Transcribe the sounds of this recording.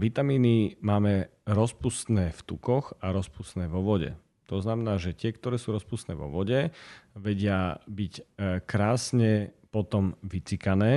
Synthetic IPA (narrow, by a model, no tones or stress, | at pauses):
ʋit̪amiːnimaːmɛɾɔspust̪nɛːft̪ukɔxaɾɔspust̪nɛːʋɔʋɔɟɛ̰ | t̪ɔznamɛnaːʒɛc̪ɪɛkt̪ɔɾɛːsuːɾɔspust̪nɛːʋɔ̰ʋɔɟɛʋɛɟɪabickɾaːsɲɛpɔt̪ɔmʋit͡sikanɛː